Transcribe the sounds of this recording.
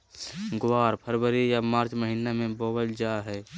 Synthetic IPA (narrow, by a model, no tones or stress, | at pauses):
ɡwaːɾpʰəɾbəɾijamaːɾt͡ʃməɦinamẽboːbəld͡ʒaɦɛː